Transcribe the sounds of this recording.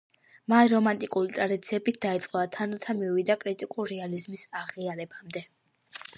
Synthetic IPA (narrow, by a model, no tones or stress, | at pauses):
manɾɔmant̪ʼikʼulit̪ʼɾad̪it̪sʰiɛbit̪̚ʰd̪ait̪sʼqʼɔvat̪ʰanlt̪ʰamiwid̪akʼɾit̪ʼikʼulɾɛalizmisaʁiaɾɛbamd̪ɛ